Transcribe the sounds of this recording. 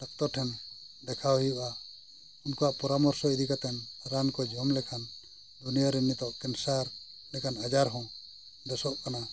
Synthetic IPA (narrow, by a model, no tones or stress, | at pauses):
ʈak̚t̪ɔʈʰɛn | d̪ɛkʰajuʔa | unkɔaʔpɔɾamɔɾsɔid̪ikat̪ɛnɾankɔd͡ʒʱɔmlɛkʰan | d̪unijaɾɛnit̪ɔʔkɛnsaɾ | nɛkʰanad͡ʒaɾɦɔ̃ | d̪ɔsɔʔkana